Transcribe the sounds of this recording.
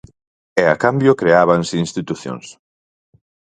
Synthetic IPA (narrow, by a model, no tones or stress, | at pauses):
ɛakambjʊkɾeaβansɪinst̪it̪uθjo̰ŋs